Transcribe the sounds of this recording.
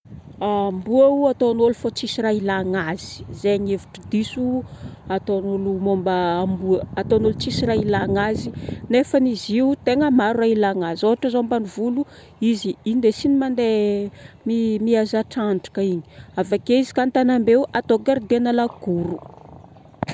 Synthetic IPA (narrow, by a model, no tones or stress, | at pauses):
ambuauat̪onolufot͡sisirailaŋaz̥i̥zeɲevi̥ʈ͡ʂəd̪isuat̪onulumombaambuəːt̪onulut͡sisiɾailaŋazinefəniziut̪eŋəmaɾurailaŋazoɦaʈ͡ʂazombanivulu | iziind̪esinimand̪e | mimiazaʈ͡ʂanʈ͡ʂḁkəiɲi̥avakeizi̥kant̪anambeuʔat̪oɡaɾd̪enalaɡ̥uɾu